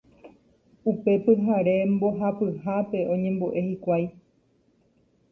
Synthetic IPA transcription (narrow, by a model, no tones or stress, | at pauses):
upe̞pɨɦaɾe̞mbo̞ɦapɨɦape̞ʔõ̞ɲẽ̞mboʔe̞hikʷaj